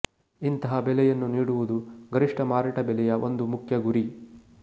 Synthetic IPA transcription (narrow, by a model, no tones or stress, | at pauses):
int̪ɐɦɐbɛlɛjɐnːuniːɽuʋud̪uɡɐɾiʂʈɐmaːɾɐʈɐbɛlɛjɐʔo̞nd̪umukʰjɐɡuɾi